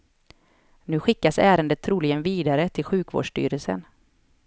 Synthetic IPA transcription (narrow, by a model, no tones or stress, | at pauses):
nʉ̟ːɧɪkːasæːɾənd̪ət̪ʰːɾuːlɪɡənviːd̪aɾət̪ʰɪlɧʉ̟ːkvo̰ːɖʂʈy̰ːɾəlsə̰n